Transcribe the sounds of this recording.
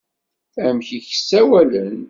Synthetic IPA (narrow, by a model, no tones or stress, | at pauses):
æmçiçə̥sːæwælən